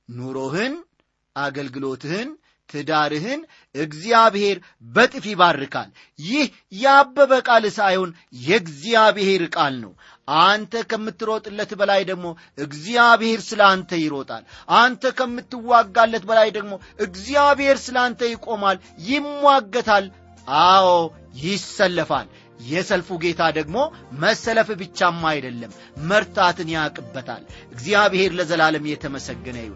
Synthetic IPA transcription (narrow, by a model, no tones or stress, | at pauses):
nuɾo̞hɨn | ʔaɡəlɡɨlo̞t̪ʰɨhɨn | t̪ʰɨd̪aɾɨɦɨn | ɨɡzijaβhe̞ɾ | bət̪ʼɨfiβarːɨkʰa̰l | jɪh | jɛabːəβəkʼalɨsajhon | jɛɡzijaβhe̞ɾɨkʼalnə̰w | ʔant̪ʰəkʰəmːɨt̪ːɨɾot̪ʼɨlːət̪bəlajd̪əɡmo̞ | ɨɡzijaβhe̞ɾsɨlant̪ʰəjɪɾo̞t̪ʼa̰lʔant̪ʰəkʰəmːɨt̪ːɨwːaɡːalːət̪̚bəlajd̪əɡmo̞ʔɨɡzijaβhe̞ɾsɨlant̪ʰəjɪkʼo̞mal | jɪmːwaɡːət̪ʰal | ʔaw | jɪsːəlːəfa̰l | jɛsəlfuɡe̞t̪ʰad̪əɡmo̞məsːələfbɨt͡ʃːamːajd̪əlːəmː | əɾt̪ʰat̪ʰɨnjakʼɨbːət̪ʰa̰lʔɨɡzijaβhe̞ɾləzəlaləmjɛt̪ʰəməsəɡːənə̰j